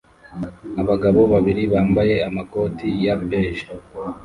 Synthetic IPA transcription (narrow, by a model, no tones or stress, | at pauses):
aβaɡaβo̞βaβiɾiβaːmbaje̞amako̞tijabeːʃa